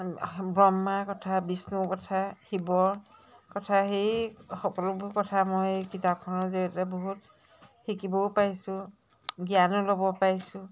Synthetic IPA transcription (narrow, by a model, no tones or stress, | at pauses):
bɹɔmːakɔtʰabisnukɔtʰahibɔɹkɔtʰaxejxɔkɔlɔbʊkɔtʰamɔjkitap̚kʰɔnɔzɔɛtɛbɔɦut | xikibɔpaɹjsʊ̃ | ɡjanɔlobɔpaɹjsʊ